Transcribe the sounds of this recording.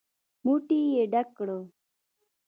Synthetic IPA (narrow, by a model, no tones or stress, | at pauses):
muʈijeɖakɽo